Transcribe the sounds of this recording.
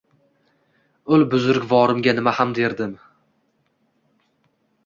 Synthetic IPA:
ʊlbʊzʊɾkʲvɒɾɪmɡʲanɪmahamd̪e̞ɾd̪ɪm

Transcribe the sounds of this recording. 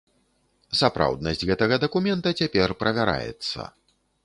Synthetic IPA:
sapɾa̰wd̪̚nɐsʲd͡zʲɣɛt̪ɐɣɐd̪ɐkumʲɛnt̪ɐt͡sʲapʲɛrpɾɐvʲaɾa̰jɛ̰t̪sːɐ̰

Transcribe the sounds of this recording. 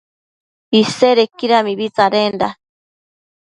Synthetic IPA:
iseɾekiɾamiβit͡saɾenda̰

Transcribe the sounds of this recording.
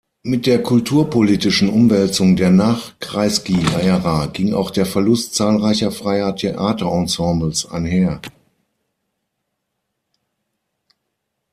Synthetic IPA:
mɪt̚d̥eːɐkʰʊltʰuːɐpʰoliːtɪʃn̩ʔʊmvɛlt͡sʊŋdeːɐnaːχkʁ̥aɪsɡ̥iaɪəʁaːɡ̥ɪŋa̰ʊxd̥eːɐfɛɐlʊst̚t͡saːlʁaɪçɐfʁ̥aɪɐtʰeʔaːtɐʔɑ̃sɑ̃ːbl̩sʔa̰ɪnɦeːɐ

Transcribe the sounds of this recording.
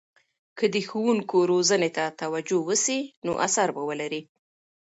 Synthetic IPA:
kəd̪əxuwuŋkoɾozənet̪at̪awad͡ʒowəsino̰ʔasaɾbawəlaɾi

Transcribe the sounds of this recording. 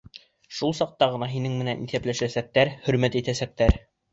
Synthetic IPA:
ʃulˠsɑq̚t̪ɑʁɤ̆nɑɦinɘŋmɘ̆nænʔiθæplæʃæsæk̚t̪æɾhɵ̆ɾmæt̪it̪æsæk̚t̪æɾ

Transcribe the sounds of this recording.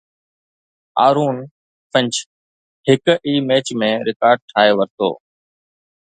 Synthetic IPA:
a̰ːɾuːn | pʰə̃ɲt͡ʃ | hɪkʔiːmeːt͡ʃmẽːɾɪkaːɾɖ̚ʈʰaːɦeʋəɾt̪o̰ː

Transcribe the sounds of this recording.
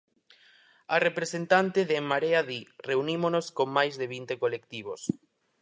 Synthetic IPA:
arepɾesent̪ant̪ɪðeŋmːaɾeaðireunimonoskoŋmajzðeβ̞int̪ekolek̚t̪iβ̞os

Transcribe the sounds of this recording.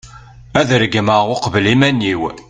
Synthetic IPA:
æðɾəɡəmaʁʊqvəlimænːiw

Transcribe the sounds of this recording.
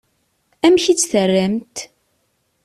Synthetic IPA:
æmçit͡sːθərːəmt̪

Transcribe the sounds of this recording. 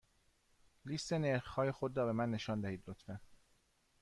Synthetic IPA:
list̪e̞neɾxhɒːje̞xod̪ɾɒːbe̞mænːe̞ʃɒːnd̪æhiːd̪lot̪ʰmæn

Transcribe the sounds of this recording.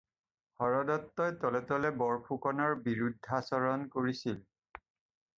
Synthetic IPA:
hɔɹɔdɔtːɔjtɔlɛtɔlɛbɔɹpʰukɔnɔɹbiɹudʱːasɔɹɔnkoɹisil

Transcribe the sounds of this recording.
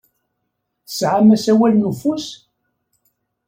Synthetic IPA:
sʕamæsæwælnufus

